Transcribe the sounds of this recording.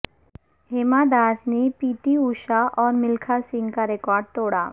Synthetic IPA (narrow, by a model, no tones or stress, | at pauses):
ɦɪmad̪aːsnepiːt̪iuːʃaʔɔːɾmɪlkʰasɪ̃ŋɡkaɾekɔːɾɖ̚t̪oːɽa̰ː